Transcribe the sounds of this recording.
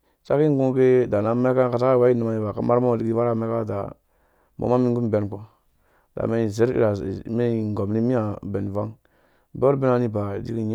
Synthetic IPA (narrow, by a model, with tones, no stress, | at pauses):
sa̰˦ki˦ŋ˦ɡu˦ke˦da˨na˨˦me˦ka˦ka˨sa˦ka˦˨wa˦i˦nu˨ma˨ni˨ba˨ka˦ma˦ɾma˦˨di˦ki˦˨va˦ɾa˦˨me˦ka˦˨da̰˨ | mo̰˨ma˦mi˦ŋɡu˦m˨be˨nko˨ | d̥a̰˨me˦˨ze˦ɾḭ˦ɾa˨me˦˨ŋ˨ɡo˨mni˦mi˦a˨be˨n˨va˦ŋ | bo˦ɾbe˦na˦ni˦ba˨dḭ˦ki˦ɲ˦